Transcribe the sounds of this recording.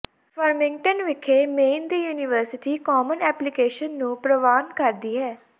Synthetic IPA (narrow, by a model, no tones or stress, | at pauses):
fəɾmɪ̃ŋɡʈənʋɪkʰːeːmeːnd̪iːjuːnɪʋəɾsɪʈiːkɔːmənɛːplɪkeːʃənːũːpɾəʋaːnkəɾd̪iːɦɛː